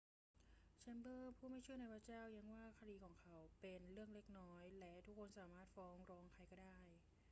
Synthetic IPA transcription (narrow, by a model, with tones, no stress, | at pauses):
t͡ɕʰa˦˥mbɤː˥˩pʰuː˥˩ma˥˩jt͡ɕʰu˥˩əna˧jpʰa˦˥t͡ɕaː˥˩wja˧˥ŋwaː˥˩kʰaː˧diː˧kʰɔː˩˦ŋkʰa˦˥wpe˧nɾɯ˥˩əŋle˥˩k̚nɔː˦˥jlɛ˦˥t̪ʰu˦˥kʰːo˧nsaː˩˦maː˥˩t̪̚fɔː˦˥ŋɾɔː˧˦˥ŋkʰa˧jkɔː˥˩daː˥˩j